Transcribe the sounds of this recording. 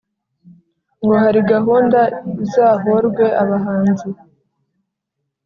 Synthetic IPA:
ŋɡo̞haɾiɡaɦuːndaizaːɦoɾɡwe̞ʔaβaɦaːnzi

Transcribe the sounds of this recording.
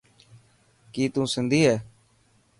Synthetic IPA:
kiːt̪ũːsɪnd̪ʱiːɦɛː

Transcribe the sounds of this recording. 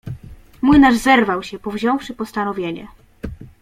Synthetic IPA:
mujnaʐzɛɾvawɕɛpɔvʑɔ̃w̃fʂɘpɔst̪anɔvʲjeɲɛ̰

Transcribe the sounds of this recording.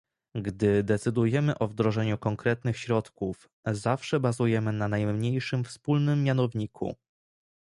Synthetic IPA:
ɡd̪ɘd̪ɛt̪sɘd̪ujɛmɘʔɔvd̪ɾɔʐɛɲukɔŋkɾɛt̪nɘxɕɾɔt̪kuf | zafʂɛbazujɛmɘnanajmɲejʂɘmfspulnɘmːjanɔvɲikʰṵ

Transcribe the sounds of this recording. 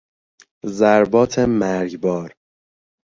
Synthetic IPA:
zæɾbɒːt̪ʰemæɾɡbɒːɾ

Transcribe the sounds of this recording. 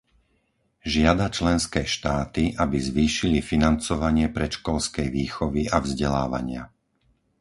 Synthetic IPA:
ʒɪad̪at͡ʃlɛnskɛːʃt̪aːt̪iʔabizʋiːʃilifinant͡sɔʋaɲɪɛpɾɛt͡ʃkɔlskɛjʋiːxɔʋiʔavzɟɛla̰ːʋa̰ɲɪa̰

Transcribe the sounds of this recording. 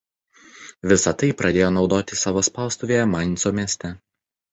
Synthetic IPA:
ʋʲɪsɐt̪ɐɪpɾɐd̪ʲeːjoːnɒʊd̪oːt̪ʲɪsɑːʋoːspɑˑʊst̪ʊʋʲeːjɛmɑˑnʲsoːmʲiɛsʲt̪ʲɛ

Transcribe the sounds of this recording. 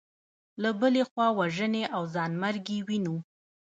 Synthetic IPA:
labəlexwɑwaʒəneʔawzɑnmaɾɡewinu

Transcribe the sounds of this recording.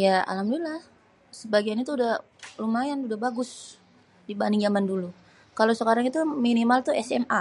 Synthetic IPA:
jaa̰lamdulah | səbaɡianit̪uːdah | lumajanudahbaɡʊs | dibaniŋd͡ʒamandulu | kalosəkaɾaŋit̪uminimalt̪uɛsɛma

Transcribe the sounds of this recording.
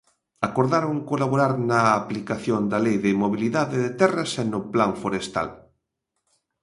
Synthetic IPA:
akoɾðaɾoŋkolaβoɾaɾnaːplikaθjond̪alejðɪmoβ̞iliðaðɪðɪt̪ɛrɐsenʊplaɱfoɾest̪a̰l

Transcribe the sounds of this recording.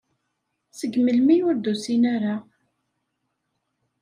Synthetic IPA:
səɡməlmiʊɾd̪usinaɾa

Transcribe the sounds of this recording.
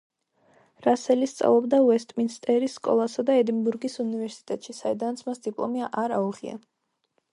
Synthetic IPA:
ɾasɛlist̪sʼa̰vlˠɔbd̪auɛst̪ʼminst̪ʼɛɾisːkʼɔ̰lˠasad̪aɛd̪imbuɾɡisunivɛɾsi̥t̪ʼɛt̪ʼʃisaid̪anat̪sʰmasd̪ipʼlˠɔ̰miaʔaɾauʁia̰n

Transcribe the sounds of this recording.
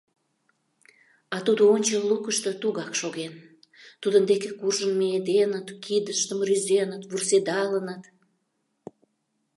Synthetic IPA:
ɑt̪ud̪oonʲt͡ɕəlːukəʃt̪ə̆t̪uɣɑkʃoɣen | t̪ud̪ənd̪ekekurʒənmeed̪enət̪kid̪əʃt̪əmryzenət̪βursed̪ɑlənət̪

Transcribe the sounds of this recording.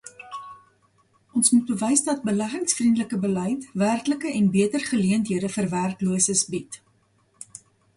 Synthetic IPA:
ʔɔnsmut̚bəvəjsdɐt̚bəlæχəŋsfrindələkəbəlɛjtværkləkəʔɛnbiətərχəliəntɦiədəfərværkluəsəsbit

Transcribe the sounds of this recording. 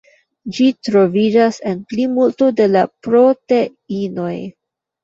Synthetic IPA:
d͡ʒitɾo̞vid͡ʒase̞nplimultode̞lapɾo̞te̞ | ino̞j

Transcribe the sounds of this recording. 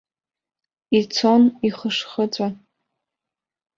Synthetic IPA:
it͡sʰoniχəʂχət͡sʷʼa

